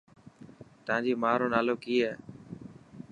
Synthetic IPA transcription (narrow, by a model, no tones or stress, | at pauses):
t̪əãːd͡ʒiːmaːɾoːnaːloːkiːɛː